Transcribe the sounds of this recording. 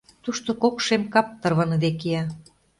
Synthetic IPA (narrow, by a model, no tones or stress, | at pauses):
t̪uʃt̪okokʃemkɑp̚t̪ɤ̆rβɤ̆nd̪ekeɑ